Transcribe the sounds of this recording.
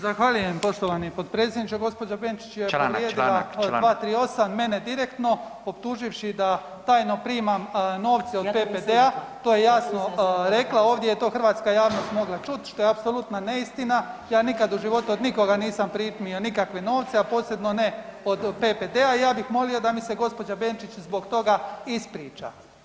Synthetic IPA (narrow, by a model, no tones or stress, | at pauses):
zaxʋaʎujempo̞ʃt̪oʋanipot̪pɾe̞ːt̪sʲjed̪nit͡ʃeɡo̞spo̞d͡ʒapent͡ʃi̥t͡ʃjepoɾjed̪iladʋaːt̪ɾiːo̞samːme̞ned̪iɾekt̪no̞ | opt̪uːʒiʋʃid̪a | t̪aːjno̞pɾiːmamno̞ːʋt̪seopeped̪eat̪o̞ːjejasnoɾe̞klˠao̞ːʋd̪jejet̪o̞ːxr̩ʋaːt̪skajaːʋno̞st̪mo̞ɡlat͡ʃut̪ʃt̪o̞jeapso̞lut̪nane̞ist̪inajaːnikad̪uʒiʋo̞t̪uod̪niko̞ɡaniːsampɾiːpmionikakʋe̞no̞ːʋt̪seapo̞ːse̞bnone̞od̪peped̪eaijaːbixmo̞lio̞d̪amise̞ɡo̞spo̞d͡ʒabeːnt͡ʃit͡ɕzbo̞ɡt̪o̞ɡaispɾiːt͡ʃa̰